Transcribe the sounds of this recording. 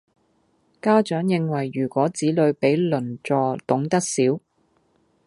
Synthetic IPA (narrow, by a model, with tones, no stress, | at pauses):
kaː˥t͡ʃœː˨˥ŋjɪ˨ŋwɐ˨˩jːyː˨˩kʷɔː˨˥t͡siː˨˥lɵ˨˧ɥpe˨˥jlɵ˨˩nt͡sɔː˧t̪ʊ˨˥ŋt̪ɐ˥k̚siː˨˥w